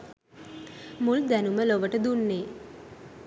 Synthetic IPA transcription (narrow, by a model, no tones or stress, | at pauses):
muld̪ænuməloʋəʈəd̪unːeː